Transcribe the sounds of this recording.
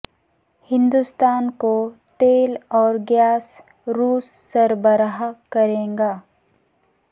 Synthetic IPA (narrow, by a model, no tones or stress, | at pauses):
hɪ̃nd̪ust̪aːnkot̪eːlɔːɾɡjaːs | ɾuːsːɐɾbəɾaɦakɐɾẽːŋɡaː